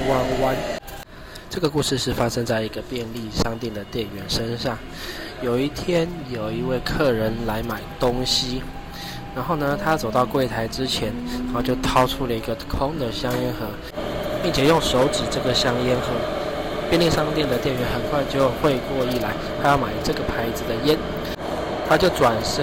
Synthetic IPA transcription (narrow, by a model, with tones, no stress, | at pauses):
wa˥nwa˥n | ʈ͡ʂɤ˥˩ɡə˩ku˥˧ʂɻ̩˥˧ʂɻ̩˥˩fa˥ʂə˥ŋt͡sa˥˩ɪi˧˥ɡə˧pjɛ˥˧nli˥˧ʂɑ˥ŋt̪jɛ˥˩nd̪ə˩t̪jɛ˥˩nɥɛ˧˥nʂə˥nʂɑ˥˩ŋ | jo˨˩ʊi˥˩t̪ʰjɛ˥njo˨˩ʊi˧˥we˥˧ɪkʰɤ˥˩ɻə˧˦nla˧˥ɪma˨˩ɪt̪o˥ŋɕi˥ | ɻa˧˥nxo˥˩ʊnə˨t̪ʰa˥t͡so˨˩ʊt̪ɑ˥˧ʊkwe˥˩ɪt̪ʰa˧˥ɪʈ͡ʂɻ̩˦t͡ɕʰjɛ˧˦˥nɻa˧˥xo˥˧t͡ɕjo˥˩ʊt̪ʰɑ˥ʊʈ͡ʂʰu˥lə˨i˧˥ɡə˧kʰʊ˥ŋd̪ə˨ɕjɑ˥ŋjɛ˥nxɤ˧˥ | pi˥˩ŋt͡ɕʰjɛ˨˩jʊ˥˩ŋʂo˧˥ʊʈ͡ʂɻ̩˨˩ʈ͡ʂɤ˥˩ɡə˩ɕjɑ˥ŋɛ˥nxɤ˧˥pjɛ˥˧nli˥˩ʂɑ˥˧ŋt̪jɛ˥˩nd̪ə˩t̪jɛ˥˩nɥɛ˧˥nxə˨˩nkʰwa˥˧ɪt͡ɕjo˥˧ʊxwe˥˧ɪkwɔ˥˧i˥˩la˧˥ɪt̪ʰa˥jɑ˥˩ʊma˨˩ɪʈ͡ʂɤ˥˩ɡə˩pʰa˧˥ɪd͡zɹ̩˨d̪ə˩jɛ˥n | t̪ʰa˥t͡ɕjo˥˩ʊʈ͡ʂwa˨˩nʂə˥